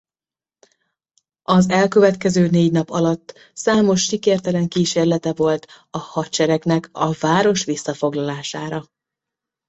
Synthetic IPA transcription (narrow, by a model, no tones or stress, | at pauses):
ɒzɛlkø̞vɛt̪kɛzøːneːɟnɒpɒlɒt̪ː | saːmo̞ʃːikeːrt̪ɛlɛŋkiːʃeːrlɛt̪ɛvo̞lt̪ | ɒhɒtt͡ʃɛɾɛknɛkɒvaːɾo̞ʃʋisːɒfo̞ɡlɒlaːʃaːɾɒ